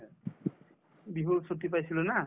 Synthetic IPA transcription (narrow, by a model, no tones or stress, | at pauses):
biɦusot̪ip̬ajsiluna